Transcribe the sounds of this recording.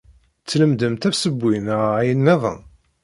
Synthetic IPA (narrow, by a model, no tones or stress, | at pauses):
t͡sːləmd̪əmt̪æfsəbːinæjənmæðˤə̰